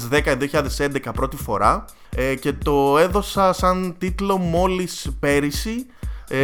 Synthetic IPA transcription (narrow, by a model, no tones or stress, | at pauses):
zðe̞kɐiðioçiʎɐðe̞se̞nd̪ekɐpɾo̞t̪ifo̞ɾɐ | ce̞t̪o̞e̞ðo̞sɐsɐnt̪it̪lo̞mo̞lispe̞ɾisi